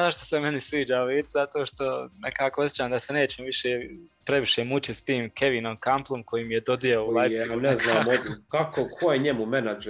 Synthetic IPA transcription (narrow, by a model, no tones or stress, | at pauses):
aʃt̪osemenisʋiːd͡ʒauiːd̪zat̪oːʃt̪o̞nḛkaːkoosjet͡ʃaːmd̪asene̞ːt͡ɕemoʋiʃeːpɾe̞ʋiʃeːmut͡ʃit̪st̪iːmkʰe̞ʋiːnomkamplˠomkʰo̞jiːmijed̪o̞d̪ijooulˠaj̪anzk̪namod̪kakokʰojeɲemumenad͡ʒ